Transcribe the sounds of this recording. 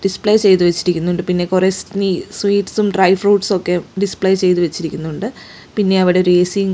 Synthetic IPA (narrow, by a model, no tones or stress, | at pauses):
ɖispɭejt͡ɕe̞jt̪uʋet͡ɕːiɾikʲːunːuɳɖɨpinːe̞kurestniswiːʈːsumɖrɐjfruːʈso̞kːe̞ɖispɭejt͡ɕe̞jt̪uʋet͡ɕːiɾikʲːunːuɳɖɨ | pinːe̞ɐʋiɽe̞ɾeːsiŋ